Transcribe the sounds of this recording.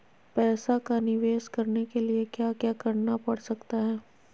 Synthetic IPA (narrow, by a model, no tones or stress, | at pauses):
pɛːsakanɪʋeːʃkɐɾnekeliekjaːkjaːkɐɾnapɐɽsɐkt̪aɦɛː